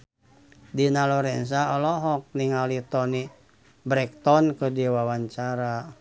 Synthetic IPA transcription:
dinalɔɾɛns̬aɔlɔɦɔk̚niŋalit̪ɔni | bɾɛk̚t̪ɔnkədiwawaɲt͡ʃaɾa

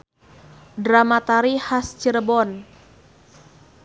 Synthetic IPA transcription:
dɾamat̪aɾihast͡ʃəɾəbɔn

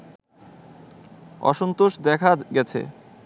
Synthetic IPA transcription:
ɔ̰ʃont̪oʃd̪ɛkʰaɡɛt͡ɕʰḛ

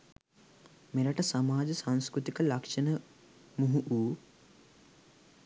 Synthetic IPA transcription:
meɾaʈəsamaːd͡ʒəsañskɾut̪ikəlakʂɐnə | muɦuʔuː

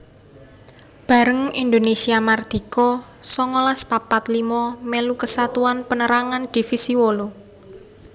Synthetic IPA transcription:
b̥a̤ɾəŋind̪onesiamard̪̥i̤kɔsɔŋɔlaspapat̪limɔmelukəsat̪uanpənəɾaŋand̪̥i̤fisiwolu

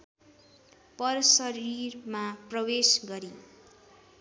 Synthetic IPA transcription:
pʌrsʌɾirmaprʌwesɡʌɾi

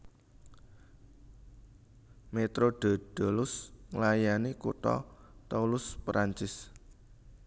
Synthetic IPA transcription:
met̪ɾoɖ̥ɔ̤ɖ̥ɔ̤lʊsŋlajanikut̪ɔ̰t̪aulʊspɾaɲt͡ʃɪs

